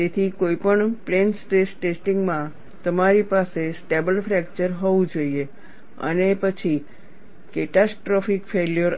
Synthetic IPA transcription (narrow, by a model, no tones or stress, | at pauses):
et̪ʰikoipəɳplensʈesʈesʈiŋɡmã | t̪əmaɾipasesʈebəlfɾɛkt͡ʃəɾɦɔʋũd͡ʒoie | ə̰nepət͡ʃʰi | keʈasʈɾɔfikfeljəɾ